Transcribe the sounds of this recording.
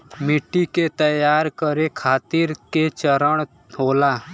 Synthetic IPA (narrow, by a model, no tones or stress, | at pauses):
mɪʈːiket̪əjaːɾkəɾekʰaːt̪iɾket͡ʃəɾəɽ̃ | ɦoːlaː